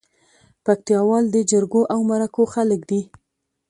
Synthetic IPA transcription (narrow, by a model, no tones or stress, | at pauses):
pak̚t̪ijɑwɑld̪əd͡ʒəɾɡoʔawmaɾakoxaləkd̪i